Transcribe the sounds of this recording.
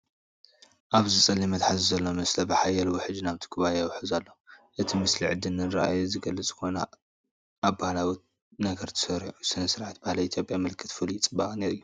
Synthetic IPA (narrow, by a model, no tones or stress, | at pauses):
ʔaβzit͡sʼɐlːimɐt̪ħazizɐlːomɨslɐbɨħajɐlwɔħɨd͡ʒːinaβt̪ʰi̥kʰɨβajjawħɨzalːɐuʔɨt̪ʰimɨsliʕɨd̪ɨnːɨɾɐ̰ʔa̰juzɨɡɐlːɨt͡sʼɨko̞na̰ | ʔːβbahlawi | nɐɡɐɾt̪ʰɨ̥sɐɾiʕusɨnɐsɨɾʕat̪bahlɐit̪ʰjo̞pʼjamɨlkʰɨt̪fɨlit͡sʼɨbːaχʼneɾɨjːu